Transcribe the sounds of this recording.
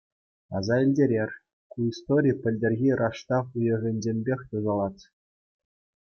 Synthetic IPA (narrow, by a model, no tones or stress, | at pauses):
ɑ̰zɑilʲdʲeɾʲerʲ | kuist̪oɾʲipʲɘ̆lʲdʲerʲɣʲirʔɑʂt̪ɑfujɤ̆ɣʲɘ̆nʲd͡ʑʲemʲbʲexʲt̪uzɑlˠɑt̪ʲ